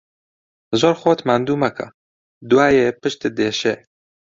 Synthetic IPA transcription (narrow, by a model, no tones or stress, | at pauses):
zoːɾxoːt̪mand̪uːmɐkʰɐ̰ | d̪uwaːjepɨʃt̪ɨd̪eːʃe